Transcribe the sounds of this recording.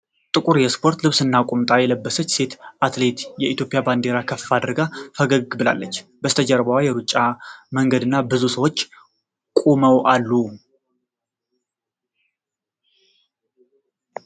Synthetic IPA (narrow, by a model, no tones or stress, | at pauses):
t̪ʼɨkʼuɾjɛspʰo̞ɾt̪lɨβsɨnːakʼumt̪ʼajɛləbːəsət͡ʃːse̞t̪ʔat̪le̞t̪jɛit̪jo̞pʼɪjaband̪e̞ɾakʰəfːad̪əɾɡafəɡəɡɨbɨla̰lːət͡ʃːbəst̪ʰəd͡ʒɛɾbəwajɛɾut͡ʃʼːaməŋɡəd̪ɨnːabɨzusəwot͡ʃː | kʼuməwʔalːu